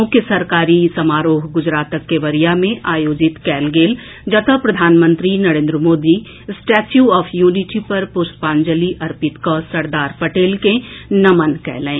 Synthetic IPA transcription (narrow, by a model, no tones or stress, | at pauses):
õkesɐɾkaːɾisɐmaːɾoːɦɡʊd͡ʒɾaːt̪əkːeʋɐɾijamẽʔaːjoːd͡ʒɪt̪kɛːlɡeːl | d͡ʒɐt̪ʰəpɾɐd̪ʱaːnmə̃nt̪ɾinɐɾẽːnd̪ɾəmoːd̪i | sʈɛːt͡ʃjuɔːfʰjuːnɪʈipɐɾpʊɾspãːnd͡ʒəliʔɐɾpɪt̪kɔsɐɾd̪aːɾpɐʈeːlkenɐmənkɛ̰ːlẽẽː